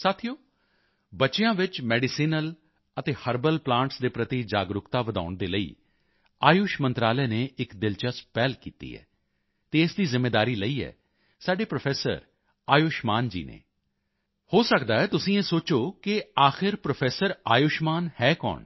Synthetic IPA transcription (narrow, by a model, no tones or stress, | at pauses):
saːt̪ʰijoː | bətːʃejãːʋɪt͡ʃmɛːɖɪsiːnəl | ət̪eːhəɾbəlplãːɳʈsd̪eːpɾət̪id͡ʒaːɡɾʊkt̪aːʋəd̪a̰ːʊɳd̪eːləḭː | aːjʊʃmənt̪ɾaːlɛːneːʔɪkd̪ɪlt͡ʃəspɛːlkḭːt̪ḭːɛ̰ː | t̪eːɪsd̪iːzɪmːeːd̪aːɾiːləiːɛ̰ː | saːɖeːpɾopʰɛːsə̰ɾ | aːjʊʃmaːnd͡ʒḭːnḛː | hoːsəkd̪aːɛːt̪ʊsĩːeːsoːt͡ʃoːkɪaːxɪɾpɾopʰɛːsəɾaːjʊʃmaːnhɛːkɔ̰ːɳ